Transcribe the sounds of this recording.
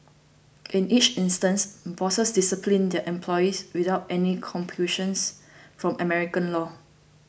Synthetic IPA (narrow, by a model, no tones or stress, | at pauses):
ʔĩnit͡ʃĩnstə̃nsbɔsəsdisəpʰlĩndɛʔɛ̃mpʰlɔjiswidaʊtɛnikʰɔ̃mpʰuʃə̃nsfɹɔ̃mʔəmɛɹikə̃nlɔ